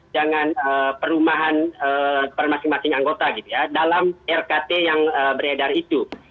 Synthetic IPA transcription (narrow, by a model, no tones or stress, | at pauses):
d͡ʒaŋanəːpəɾumaɦanəpərmasɪŋmasɪŋaŋɡot̪aɡit̪ujadalamɛrkat̪ejaŋəbəɾedarit̪u